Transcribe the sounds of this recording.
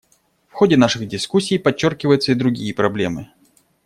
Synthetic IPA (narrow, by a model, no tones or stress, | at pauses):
fxo̞dʲɪnaʂɨɣdʲɪskusʲːijpɐt͡ɕːo̞rkʲɪvəjʊt̪səid̪ɾʊɡʲijəpɾɐblʲe̞̰mɨ